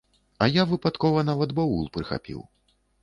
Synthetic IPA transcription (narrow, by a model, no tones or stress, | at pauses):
ɐjavɨpat̪kɔvɐnavɐd̪bɔṵlˠpɾɨxa̰pʲḭw